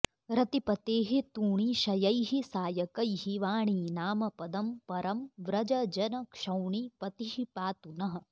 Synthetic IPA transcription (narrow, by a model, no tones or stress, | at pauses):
ɾɐt̪ipɐt̪eːɦit̪uːɳiʃɐjɐjɦisaːjɐkɐjɦiʋaːɳiːnaːmɐpɐd̪ɐmpɐɾʔɐmʋɾɐd͡ʒɐd͡ʒɐnɐkʂɐwɳipɐt̪iɦipaːt̪unɐɦɐ̆